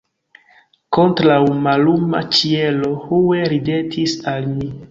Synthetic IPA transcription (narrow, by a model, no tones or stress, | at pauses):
ko̞ntɾawmaluma̰t͡ʃie̞lo̞huweɾide̞tʰisalmi